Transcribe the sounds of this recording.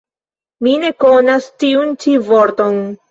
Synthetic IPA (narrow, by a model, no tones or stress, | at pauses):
mine̞ko̞nastiunt͡ʃivoɾto̞n